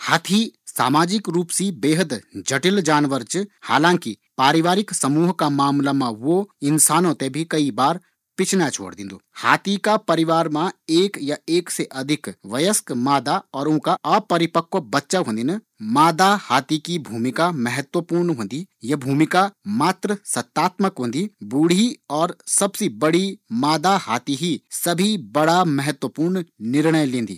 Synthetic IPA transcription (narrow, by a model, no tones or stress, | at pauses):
haːt̪ʰisa̰ːmaːd͡ʒɪkɾuːpsibeːɦəd̪d͡ʒɐʈɪld͡ʒaːnʋəɾt͡ʃha̰ːlãːŋki | paːɾɪʋaːɾɪksɐmuːɦkamaːmlamãʋoɪnsaːnõt̪ebʱikɐibaːɾ | pɪt͡ʃʰnat͡ʃʰo̰ːɽd̪ɪ̰̃nd̪o̰ːha̰ːt̪ikapɐɾɪʋaːɾmãeːkjaeːkseʔɐd̪ʱɪkʋɐjəskmaːd̪aɔːɾʊ̃kaʔɐpɐɾɪpəkʋəbɐtːʃaɦõːnd̪inɐ | maːd̪ahaːt̪ikibʱuːmɪkamɛɦət̪wəpuːɾnɦõːnd̪ijɐbʱuːmɪkamaːt̪ɾəsɐt̪ːaːt̪məkɦõːnd̪iːbuːɽ̤iɔːɾsɐbsebɐɽimaːd̪ahaːt̪iɦisɐbʱibɐɽamɛɦət̪wəpuːɾɳnɪɾɳəjlẽːnd̪ḭː